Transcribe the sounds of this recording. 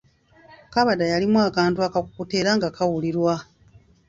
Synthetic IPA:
kaβadajalimwaːkaːntuakakukute̞ːɾaŋɡakʰawuliɾwa

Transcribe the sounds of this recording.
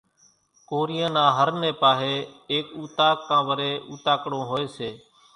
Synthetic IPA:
koːɾɪjãːnãːɦəɾnẽːpaːɦeːeːkuːt̪aːkːãːʋəɾeːuːt̪aːkɽõːɦoːeːseː

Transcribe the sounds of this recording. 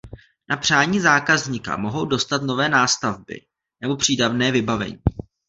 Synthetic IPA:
nʔapr̝̥aːɲiːzaːkazɲika̰mo̞ɦo̞wdo̞st̪at̪no̞vɛːnaːst̪avbɪ̰ | nɛbo̞pr̥iːdavnɛːvɪbavɛ̰ɲḭː

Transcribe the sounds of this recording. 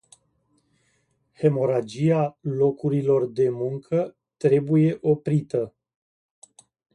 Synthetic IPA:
he̞mo̞ɾad͡ʒialo̞kuɾilo̞rd̪e̞muŋkʰə | t̪ɾe̞buje̞ʔo̞pɾit̪ə

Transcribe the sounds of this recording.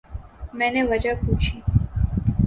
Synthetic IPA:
mɛneʋəd͡ʒaput͡ʃʰi

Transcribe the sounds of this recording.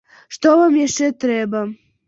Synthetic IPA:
ʂt̪ovamjɛʃɛt̪ɾɛba

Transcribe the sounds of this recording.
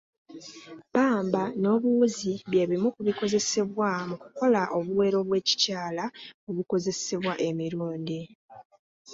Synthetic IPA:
paːmbano̞ːβuziβje̞ːβimukuβiko̞ze̞se̞βwamuku̥ko̞laʔo̞βuwe̞ːɾo̞βwe̞ːci̥caːlaoβuko̞ze̞se̞βwaʔe̞miɾuːndi

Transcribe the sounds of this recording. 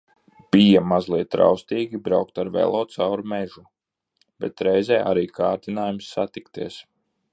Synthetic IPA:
b̥ijamazlˠiɛt̪ːɾa̰wst̪iːɡʲibɾawkt̪aɾvɛ̰lˠoːt̪sawɾmɛʒu | b̥ɛ̰t̪ɾɛjzɛːʔaɾiːkʰaːɾt̪inaːjumsːat̪ikt̪iɛs

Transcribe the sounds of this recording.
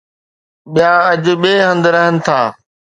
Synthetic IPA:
ɓijãɐd͡ʑʊ̆ɓeːɦə̃nd̪ɾɐɦənɪ̆t̪ʰaː

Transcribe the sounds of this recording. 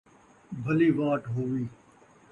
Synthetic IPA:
bʱəliːʋaːʈɦoːʋiː

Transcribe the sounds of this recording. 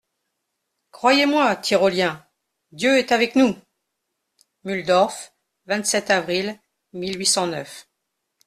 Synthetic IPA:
kχwajemwat̪ʰiʁɔljɛ̃ | d̪jøɛt̪avɛknu | myld̪ɔʁf | vɛ̃t̪sɛt̪avʁil | milɥisɑ̃nœf

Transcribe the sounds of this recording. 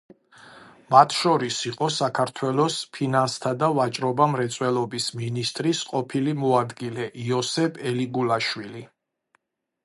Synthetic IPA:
mat̪ʰʃɔɾisiqʼɔsakʰaɾt̪ʰwɛlˠɔspʰinanst̪ʰad̪avat͡ʃʼɾɔbamɾɛt̪sʼwɛlˠɔbisminist̪ʼɾisqʼɔpʰilimɔad̪ɡilɛʔiɔsɛbʰɛliɡulaʃwili

